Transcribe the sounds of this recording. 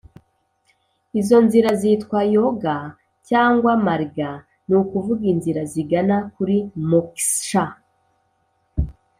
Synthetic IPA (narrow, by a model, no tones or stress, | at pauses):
izo̞nziɾazitkwajoɡa | caːŋɡwamaɾiɡa | nukuvuɡinziɾaziɡanakuɾimoksʃa